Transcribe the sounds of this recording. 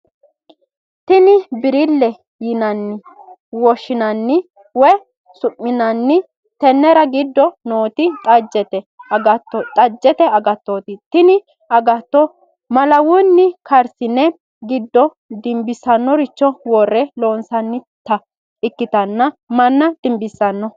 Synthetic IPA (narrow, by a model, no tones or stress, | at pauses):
t̪ɪnɪbɪɾɪlːɛ | jɪnɐnːɪ | wɔʃːɪnɐnːɪ | wɔ | sʊʔːɪnɐnːɪ | t̪ɛnːɛɾɐɡɪd̪ːɔnoːt̪ɪt̪ʼɐd͡ʒɛt̪ɛɐt̪ːɔt̪ʼɐd͡ʒːɛt̪ɛɐɡɐt̪ːot̪ɪt̪ɪnɪ | ɐɡɐt̪ːɔ | mɐlɐwʊnːɪkɐɾsɪnːɛ | ɡɪd̪ːɔ | d̪ɪmbɪsɐnːɔɾɪt͡ʃːɔwɔrːɛloːnsɐnːɪt̪ːɐ | ɪkːɪt̪ɐnːɐmɐnːɐd̪̥ɪmbɪsːɐnːɔ